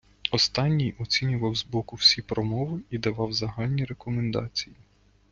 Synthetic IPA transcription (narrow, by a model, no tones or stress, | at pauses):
ɔst̪ɑnʲːijʔɔt͡sʲinʲʊʋɐwzbɔkʊwsʲipɾɔmɔʋɪid̪ɐʋɑwzɐɦɑlʲnʲiɾekɔmend̪ɑ̰t͡sʲiji